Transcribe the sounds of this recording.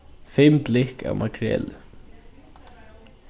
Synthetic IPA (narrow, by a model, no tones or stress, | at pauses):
fɪmplɪhka̰wmakʰɾɛ̰ːlɪ